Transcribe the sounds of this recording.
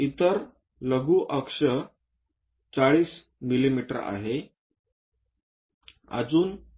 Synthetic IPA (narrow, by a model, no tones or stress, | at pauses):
it̪əɾ | ləɡuːʔəkʂə | t͡saɭiːs | milimiʈəɾa̰ɦe | a̰d͡zuːn